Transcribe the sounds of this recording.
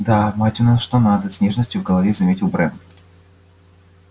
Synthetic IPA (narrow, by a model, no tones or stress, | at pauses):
d̪amatʲʊnaʂt̪onad̪əsʲnʲeʐnəsʲtʲjʊvɡəlˠɐvʲezɐmʲetʲɪlˠbɾɛn